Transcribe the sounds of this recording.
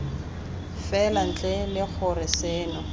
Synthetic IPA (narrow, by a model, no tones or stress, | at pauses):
fɛlan̩t͡ɬʼelɪk͡xʰʊrɪseːnɔ